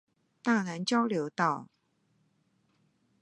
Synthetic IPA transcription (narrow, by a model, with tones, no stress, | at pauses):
t̪a˥˩na˧˥nt͡ɕjɑ˥ʊljo˧˥ʊt̪ɑ˥˩ʊ